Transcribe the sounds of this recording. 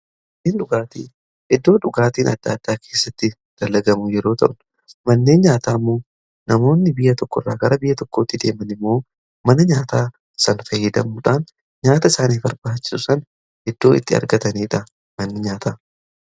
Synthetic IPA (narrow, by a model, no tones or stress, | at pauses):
ʔ | niːnᶑʊɡaːt̪ḭː | ʔɛd̪ːo̞ːᶑʊɡaːt̪iːnʔɐ̰d̪ːa̰ːd̪̥ːaːkʰe̞ːsːɐt̪ːɪ | d̪̥ɐlːɐɡɐmʊjɛɾo̞ːt̪ɐ̰ʔnʊ̥ | mɐnːe̞ːnɲaːt̪aːmːo̞ː | nɐmo̞ːnːɪbɪjːɐt̪ɔkːɔrːaːɡɐɾɐbɪjːɐt̪ɔkːo̞ːt̪ːɪd̪e̞ːmɐnɪmːo̞ː | mɐnɐɲaːt̪aː | sɐnfɐjːɪd̪ɐmuːᶑaːn | ɲaːt̪ɐɪsaːniːfbɐɾbaːt͡ʃːɪ̥sʊsɐn | hɛd̪ːo̞ːɪ̰t̪ːɪɐ̰ɾɡɐt̪ɐniːᶑɐ | mɐnːɪɲaːt̪aː